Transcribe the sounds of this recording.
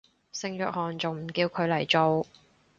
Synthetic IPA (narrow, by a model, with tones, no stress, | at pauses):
sɪ˧ŋjœː˨˥k̚hɔː˨nt͡so˨wm̩˨˩kiː˧wkʰɵ˨˧ɥlɐ˨˩jt͡so˨w